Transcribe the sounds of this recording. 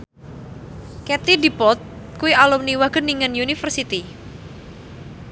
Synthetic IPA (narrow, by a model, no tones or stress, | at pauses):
kɛt̪idipɔt̪̚kuialumniwaɡ̥əniŋanjunifərsit̪i